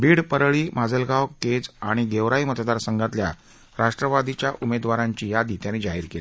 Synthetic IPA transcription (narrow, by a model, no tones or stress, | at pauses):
biːɽpəɾɭiːmad͡zəlɡawked͡zaɽ̃iɡ̪eʋɾaimət̪d̪aɾsəŋɡat̪lja | ɾaʂʈɾəʋad̪it͡ɕjaʔumed̪ʋaɾaɲt͡ɕiːjad̪iːt̪janːiːd͡zaɦiːɾkeli